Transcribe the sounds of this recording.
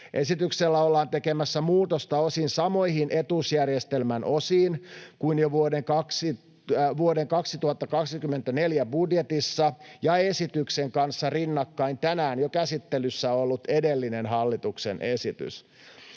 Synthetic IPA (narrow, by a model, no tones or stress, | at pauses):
ʔe̞sit̪ykselːæolːɑːnt̪e̞kemæsːæmuːt̪ost̪ɑo̞sinsɑmo̞ihinʔet̪usjærjest̪elmænʔo̞siːnkuinjoʋuodeŋkɑksi | ʋuodeŋkɑksit̪uhɑt̪ːɑkɑksikymːent̪æne̞ljæbudjet̪isːɑjɑe̞sit̪ykseŋkɑnsːɑrinːɑkːɑint̪ænæːnjokæsit̪ːelysːæoolːut̪e̞delːinenɦɑlːit̪uksḛnʔesit̪y̰s